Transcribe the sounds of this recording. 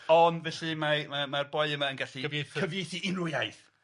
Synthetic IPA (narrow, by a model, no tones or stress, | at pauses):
ɔndvɛɬimamamarbɔɨəmaənɡaɬivjeθkʰəvjejθiɪnrʊjajθ